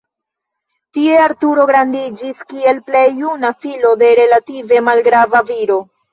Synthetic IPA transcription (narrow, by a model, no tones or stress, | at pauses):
tie̞aɾtuɾo̞ɡɾandid͡ʒiskie̞lple̞jːunafilo̞de̞ɾe̞lative̞malɡɾavaviɾo̞